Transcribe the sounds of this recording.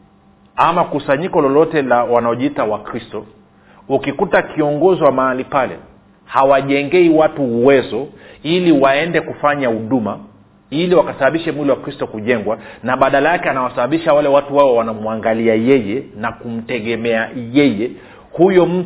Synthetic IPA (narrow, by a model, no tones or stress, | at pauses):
amakusaɲikɔlɔlɔtɛlawanaɔʄiitawakɾistɔ | ukikutakiɔŋɡɔziwamaalipalɛ̰ | hawaʄɛŋɡɛiwatuːwɛzɔiliwaɛndɛkufaɲahuɗuma | iliwakasaɓaɓiʃɛmwiliwakɾistɔkuʄɛŋɡwanaɓaɗalajakɛanawasaɓaɓiʃawalɛwatuwaɔwanamuaŋɡaliajɛjɛnakum̩tɛɠɛmɛajɛjɛ | hujɔm̩